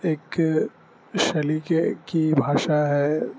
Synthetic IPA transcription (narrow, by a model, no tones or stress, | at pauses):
eːk | ʃɐlikekibʱaːʃaɦɛ